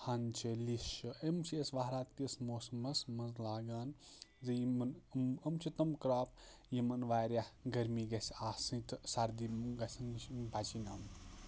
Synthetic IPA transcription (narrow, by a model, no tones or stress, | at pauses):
hɐnt͡ʃʰeliʃɨemt͡ʃʰesʋaɦɾaːt̪kismoːsmɐsmɐnzlaːɡaːnzɐjimɐnmɐmt͡ʃʰit̪ɐmkɾaːp | jimɐnʋaːɾjahɡɐɾmiːɡɐsʲaːsɨ̃nt̪saɾd̪imɡɐsʲɐnbat͡ʃinaːm